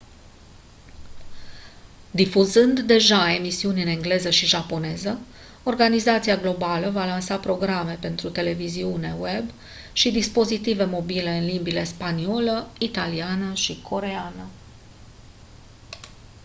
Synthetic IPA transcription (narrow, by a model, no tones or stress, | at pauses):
d̪ifuzɨnd̪ːe̞ʒae̞misiunɨne̞ŋɡle̞zəʃiʒapo̞ne̞zə | o̞rɡanizat̪siaɡlo̞baləvalansapɾo̞ɡɾame̞pe̞nt̪ɾut̪e̞le̞viziune̞we̞b | ʃid̪ispo̞zit̪ive̞mo̞bile̞ɨnlimbile̞spanio̞ləit̪alianəʃikʰo̞ɾe̞anə